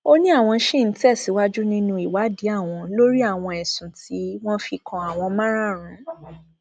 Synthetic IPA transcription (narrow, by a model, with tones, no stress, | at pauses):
o˦nĩ˦a˦˨w̃ɔ̃˧˦ʃe˦˨n̩˨˦tɛ˦˨si˨˦wa˦d͡ʒu˦nĩ˦nũ˧i˨wa˨˦di˨˦a˦˨w̃ɔ̃˧lo˦ɾi˦a˦˨w̃ɔ̃˧ɛ˨sũ˨ti˨˦w̃ɔ̃˦fi˧kɔ̃˧a˨w̃ɔ̃˧mã˦ɾa˦˨ɾ̃ã˨˦